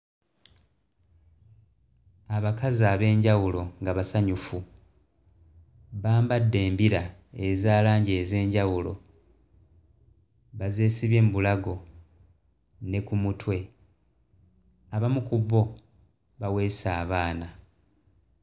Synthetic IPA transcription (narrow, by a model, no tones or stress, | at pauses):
aβakazaːβe̞ːɲɟawulo̞ŋɡaβasaɲufu | βaːmbadːe̞ːmbiɾaezaːlaːɲɟeːze̞ːɲɟawulo̞̰ | βaze̞ːsiβje̞ːmbulaɡo̞ | ne̞kumutwe̞ | aβamukuβo̞ | βawe̞ːsaːβaːna